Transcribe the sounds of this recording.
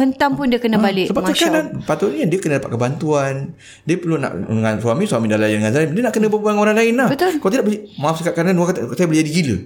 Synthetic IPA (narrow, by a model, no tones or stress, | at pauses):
hənt̪ampʊndiəkənəbalɪʔsəbamsəkaɾanpat̪ʊʔniɲadiəkənədapat̪̚kəbant̪uan | diəpərluna̰ʔdəŋansuwamiswamidalajandəŋansaimdiənaʔkənə̃bəbaŋoɾaŋlaɪnahbək̪kalat̪idaʔbəlimafsakaʔkaɾnanuakat̪sajabəld͡ʒadiɡilə